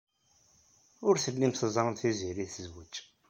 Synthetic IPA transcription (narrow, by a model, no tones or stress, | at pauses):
ʊɾθəlːimθəzˤɾˤənθiziɾiθəzwət͡ʃː